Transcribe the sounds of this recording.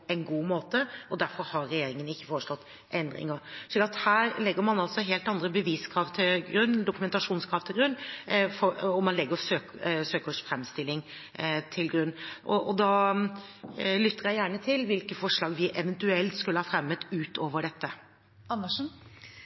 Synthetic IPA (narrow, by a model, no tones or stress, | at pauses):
ɛnɡuːmoːt̪əʔɔd̪æɾfɔɾhɑɾɾɛjeːɾɪŋənɪçːə̥foːɾəʂlɔt̪ː | ʔɛnd̪ɾɪ̰ŋəɾʂɛɡɑt̪hæːɾlɛɡːəɾmɑnɑlsɔɦeːlt̪ɑnd̪ɾəbəʋiːskʰɾɑːʋt̪ʰɪlɡɾʉnːd̪ʊkʉmɛnt̪ɑʂuːnskʰɾɑːʋt̪ʰɪlɡɾʉnːfɔɔmɑnlɛɡːəɾsøːksøːkəʂfɾɛmst̪ɪlːɪŋ | t̪ʰɪlɡɾʉnːʔɔʔɔd̪ɑ | lʏt̪ʰːəɾjæɪjæːɳət̪ʰɪlʋɪlkəfɔʂɭɑːɡʋɪʔɛʋɛnt̪ʉɛlt̪skʉlːəhɑfɾɛmːət̪ʉːt̪ʰoːʋəɖɛt̪ːə | ɑnːəʂ